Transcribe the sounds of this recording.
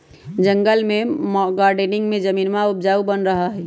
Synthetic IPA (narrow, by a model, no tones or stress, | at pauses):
d͡ʒə̃ŋɡəlmẽmɡaːɾɖenɪ̃ŋɡmẽd͡ʒəmiːnmaʊp̚d͡ʒaːubənɾəɦaɦɛ